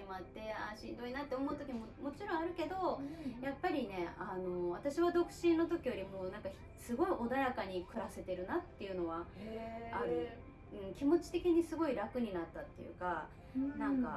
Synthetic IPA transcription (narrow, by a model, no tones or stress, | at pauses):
imat̪ːe̞aɕĩnd̪o̞inat̪ːe̞o̞mo̞ɯ̟t̪okʲiɲimomo̞t͡ɕiɾõɰ̃aɾɯ̟ke̞d̪o̞japːaɾʲine̞ano̞βat̪aɕiβad̪o̞kɯ̟̥ɕĩnːo̞t̪o̞kʲijo̞ɾʲimo̞ːnãŋka | sɨɡo̞iʔo̞d̪ajakaɲ̟ikɯ̟ɾase̞t̪e̞ɾɯ̟nat̪ːe̞jɯ̟no̞βa | ao | ɯ̟̃ɴkʲimo̞t͡ɕi̥t̪e̞kʲiɲ̟isɨɡo̞iɾakɯ̟ɲ̟inat̪ːat̪ːe̞jɯ̟̰ka | nãŋka